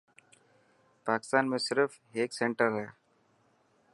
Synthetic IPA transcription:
paːkɪ̥st̪aːnmẽsɪɾf | eːksẽɳʈəɾɦɛː

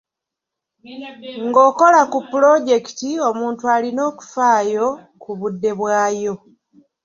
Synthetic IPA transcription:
ŋɡo̞ːko̞lakupːulo̞ɟe̞ki̥tio̞muːntualino̞ːku̥faːjo̞ | kuβudːe̞βwaːjo̞

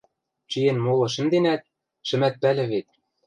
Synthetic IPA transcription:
t͡ɕijenmolɤ̆ʃɘ̆md̪enæt̪̚ | ʃɘ̆mæt̪̚pælʲɘ̆βet̪̚

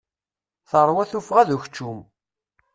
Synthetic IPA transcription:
θəɾˤwæθufʁæðuç̥t͡ʃːum

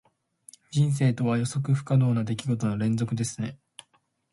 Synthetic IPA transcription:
d͡ʑĩɰ̃s̬e̞ːt̪o̞βajo̞so̞kɯ̟ɸɯ̟̥kad̪o̞ːnad̪e̞kʲiɡo̞t̪o̞no̞ɾẽ̞nd͡zo̞kɯ̟d̪e̞sɨ̥ne̞

